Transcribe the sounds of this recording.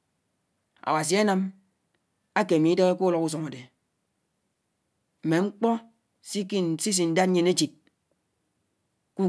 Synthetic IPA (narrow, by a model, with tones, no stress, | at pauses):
a̰˨wa˨s̬i˨˦a˦na˦m | a˦ke˨mi˨˦de˦ɣe˦ku˦lɔ˨ku˦s̬ɔ˨ŋa˨de˨ | m̩˨me˨ŋ͡m̩˦k͡pɔ˦ | si˦ki˦˨si˦s̬i˨n̩˦da˦t̩̚ː˦e˨ne˦t͡ʃi˨t̚ | ku˦